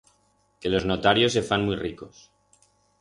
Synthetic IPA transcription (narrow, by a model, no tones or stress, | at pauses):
ke̞lo̞znot̪aɾjo̞se̞fanmwijriko̞s